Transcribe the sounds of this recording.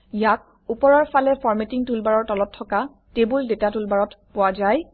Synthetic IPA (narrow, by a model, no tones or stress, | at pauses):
jak̚ | upɔɹɔɹpʰalɛfʰɔɹmetiŋtulbaɹɔɹtɔlɔtʰːɔka | tebuldetatulbaɹɔtpʊwazaj